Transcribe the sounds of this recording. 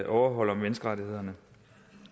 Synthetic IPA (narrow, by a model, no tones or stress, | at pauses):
ʔɒʊɐɦɒ̽l̰ɒ̽mʋenəsɡ̥əʁɑ̈t͡sihe̝ð̞̰ˠɐnə